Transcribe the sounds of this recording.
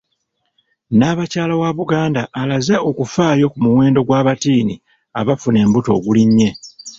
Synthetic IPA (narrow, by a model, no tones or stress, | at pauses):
naːβacaːlawaβuɡaːndaʔːlazeo̞kufaːjo̞kumuwe̞ːndo̞ɡwaːβatiːni | a̰βafune̞ːmbuto̞ːɡuliɲːe̞